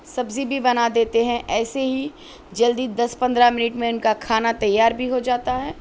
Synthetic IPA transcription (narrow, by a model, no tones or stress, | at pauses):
sɐbzibʱibɐnad̪eːt̪eɦɛ̃ʔɛːseɦi | d͡ʒɐld̪id̪ɐspɐ̃nd̪ɾamɪnɪʈmẽʊnkakʰaːnat̪ɐjːaːɾbʱiɦod͡ʒaːt̪aɦɛː